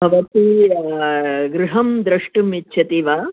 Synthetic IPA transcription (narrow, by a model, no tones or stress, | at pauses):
bʱɐʋɐt̪i | ɡɾuɦɐmd̪ɾɐʂʈumitːʃʰɐt̪iʋaː